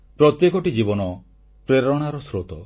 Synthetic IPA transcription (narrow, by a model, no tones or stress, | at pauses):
pɾɔt̪jekɔʈid͡ʒibɔnɔ | pɾeɾɔɽ̃aɾɔsɾot̪ɔ